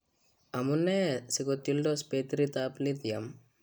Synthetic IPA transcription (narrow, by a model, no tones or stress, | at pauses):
ɐmunːesiɡot̪ːilɖospeːt̪ɾit̪aːplit̪ijɐm